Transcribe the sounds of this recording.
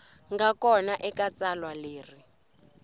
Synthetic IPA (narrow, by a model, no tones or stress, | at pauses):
ŋɡakɔnaʔɛkat͡salwaleːri